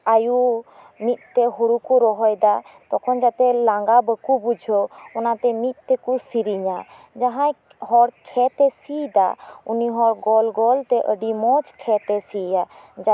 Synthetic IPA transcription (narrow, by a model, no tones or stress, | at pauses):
aju | mit̪̚ˀt̪ɛɦuɾukuɾɔɦɔjd̪at̪ɔkʰɔnd͡ʒat̪ɛlaŋɡabəkubud͡ʒʱɔunat̪ɛmit̪̚ˀt̪ɛkusiɾiɲa | d͡ʒaɦãj | hɔɾkʰɛt̪ɛsid̪a̰uniɦɔɾɡɔlɡɔlt̪ɛʔəɖimɔt͡ʃkʰɛt̪ɛsijad͡ʒa